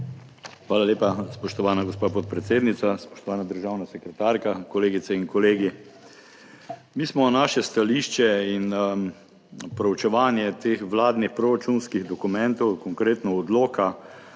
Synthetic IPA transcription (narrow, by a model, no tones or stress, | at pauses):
xʋaːlaleːpaspɔʃt̪ɔʋaːnaɡospaːpɔt̪̚pɾɛt̪seːd̪nit̪saspɔ̥ʃt̪ɔʋaːnad̪əɾʒaːwnasɛkɾɛt̪aːɾkakɔleːɡit̪sɛinkɔleːɡi | miːsmɔnaːʃɛst̪aliʃt͡ʃɛin | pɾɔwt͡ʃɛʋaːnjɛt̪eːxʋlaːd̪nixpɾɔɾat͡ʃunskiɣd̪ɔkumɛnt̪ɔwkɔŋkɾeːt̪nɔɔd̪loːka